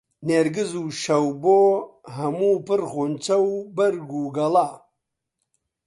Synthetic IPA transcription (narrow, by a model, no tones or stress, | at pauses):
neɾɡɨzuʃɐwboɦɐmuːpɨɾχunt͡sɐwbɐɾɡuːɡɐla